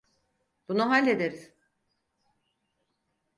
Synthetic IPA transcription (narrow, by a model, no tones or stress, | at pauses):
b̥unuɦalʲːe̞d̪eɾiz̥